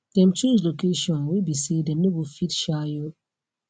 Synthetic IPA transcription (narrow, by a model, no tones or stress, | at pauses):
d̥ɛ̃mt͡ʃud͡ʒlokeʃiɔ̃nwebisedɛ̃mnebofitʃajo